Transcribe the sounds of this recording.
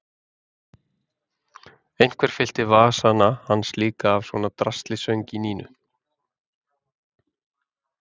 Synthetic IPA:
ejn̥kʰvɛɾ̥fɪl̥t̪ɪvaːsanahansliːkaːvswɔnat̪ɾast̪lɪsœɥɲcɪniːnʏ̰

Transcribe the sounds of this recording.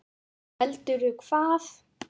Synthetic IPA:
ɛlt̪ʏɾʏkʰvaːθ

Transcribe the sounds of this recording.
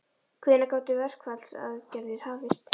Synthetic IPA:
kʰvɪːnakaːwt̪ɪvɛr̥kvat̪l̥sa̰ðcɛɾðɪɾ̥haːvɪst̪

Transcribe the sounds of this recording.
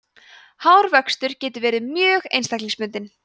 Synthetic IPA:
hawɾvœkst̪ʏɾ̥cɛːt̪ʏvɛːɾɪmjœːɣejnst̪ajkliŋspʏnt̪ɪn

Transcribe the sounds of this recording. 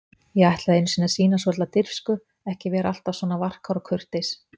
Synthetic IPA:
jɛɣajht̪laðejnsinasiːnas̬ɔt̪at̪ɪr̥fskʏ | ɛhcɪvɛːɾa̰l̥t̪avsɔːnavar̥kaɾɔkʰʏr̥t̪ejs

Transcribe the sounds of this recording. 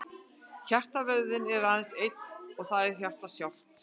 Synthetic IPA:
çar̥t̪avœɣðʏnɛɾaðɪnsejt̪nɔɣθaðɛɾ̥çjawr̥t̪asjawh̪t̪

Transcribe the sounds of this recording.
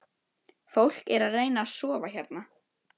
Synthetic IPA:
fowl̥kɛɾaðreːjnaːsɔːvaçɛɾt̪na

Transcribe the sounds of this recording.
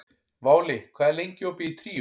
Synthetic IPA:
vaːwlɪkʰvɛːðlejɲcɔːpɪit̪ʰɾiː

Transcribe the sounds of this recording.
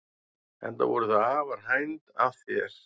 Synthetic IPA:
ɛ̰nt̪a̰vɔɾʏθaðaːvaɾ̥ɦajnt̪aðθjɛɾ̥

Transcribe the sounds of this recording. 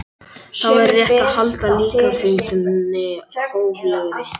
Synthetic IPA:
θawɛɾrːjɛht̪aðhalt̪aliːkasint̪nɪoːwvlɛɣɾɪ

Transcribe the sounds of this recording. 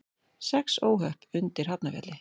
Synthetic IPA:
sɛksoːwɦœhpʏnt̪ɪɾ̥hapnavjɛ̰t̪lɪ

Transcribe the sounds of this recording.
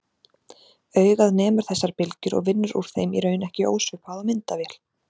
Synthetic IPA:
œːɥɣaðnɛːmʏɾ̥θɛsːaɾ̥pɪlcʏɾɔ̰ɣvɪnːʏɾṵɾ̥θejmḭɾœɥjnɛhcɪʔo̰ːwsʏpaðamɪnt̪avɛːl

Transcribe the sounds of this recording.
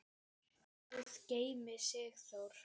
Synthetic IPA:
θusceːjmɪsɛɣθowɾ̥

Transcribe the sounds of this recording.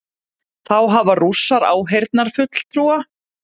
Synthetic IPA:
θawɦavarusːaɾa̰wɦejɾt̪naɾ̥fʏt̪l̥t̪ʰɾuːa

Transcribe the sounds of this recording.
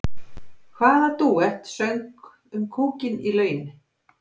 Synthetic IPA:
kʰvaːðat̪uɛht̪sœŋk | ʏmkʰuːcɪnilœːɥnɪ

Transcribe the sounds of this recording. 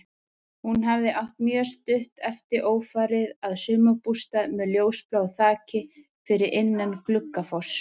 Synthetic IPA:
hunɦavðɪʔawht̪mjœːst̪ʏht̪ɛft̪ɪɾʔoːwfaːɾɪðaðsʏːmapust̪aðmɛljoːwsplawθaːcɪ | fɪɾɪɾʔɪnːanklʏkːafɔ̥s

